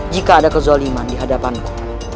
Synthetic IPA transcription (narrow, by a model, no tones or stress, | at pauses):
d͡ʒikaːdakəzolimandiɦadapanku